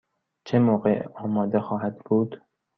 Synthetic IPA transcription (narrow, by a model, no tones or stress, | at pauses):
t͡ʃʰemoːɢeʔɒːmɒːd̪exɒːɦæd̪buːd̪̥